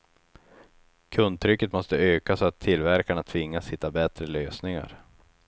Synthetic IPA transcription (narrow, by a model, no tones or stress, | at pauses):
kʰɵnd̪̚t̪ʰɾʏkːət̪mɔst̪əøːkasɔat̪ʰːɪlvæɾkaɳat̪ʰvɪŋːashɪt̪ːabɛt̪ɾəløːsnɪŋa̰ɾ